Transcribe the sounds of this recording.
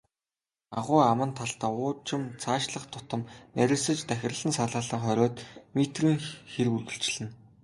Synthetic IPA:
aʁʊːamə̆nt̪ʰaɬt̪aːʊːt͡ɕɪ̆mt͡sʰaːʃɮə̆χt̪ʰʊ̥t̪ə̆mnæɾʲɪ̆ɮsə̆t͡ɕt̪æxʲɪ̆rə̆ɮɘ̆nsaɮaːɮə̆ŋχœɾʲɔːt̪met̪riːŋxerpurɣɘ̆ɬt͡ɕ̆ɮɘ̆n

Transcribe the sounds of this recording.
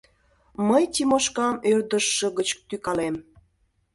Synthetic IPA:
məjt̪ʲimoʃkɑmørd̪əʃːə̆ɣət͡ɕt̪ykɑlem

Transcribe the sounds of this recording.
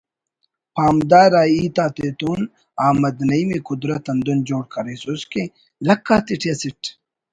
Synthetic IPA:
paːmd̪aːɾaːiːt̪aːt̪eːt̪uːn | aːmɐd̪nɐimekʊd̪ɾɐt̪ɐnd̪und͡ʑoːɽ̚kʰɐɾesuske | lɐkːaːt̪iʈʰjɐsiʈʰ

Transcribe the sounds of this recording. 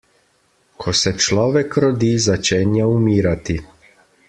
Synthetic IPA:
kʰosɛt͡ʃlɔːʋɛkɾod̪iːzat͡ʃɛnjaumiːɾat̪i

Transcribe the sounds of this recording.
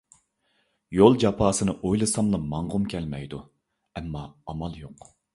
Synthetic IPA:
jolˠd͡ʒɑpʰɑːsɨnɨʔojlˠɨsɑmlˠɑmɑɴʁʊmkʲʰɛlmɛjd̪u | ɛmːɑːmɑlˠjoq

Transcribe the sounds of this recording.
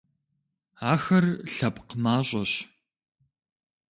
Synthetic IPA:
aːxɐrɬɐpqmaːɕʼɐɕ

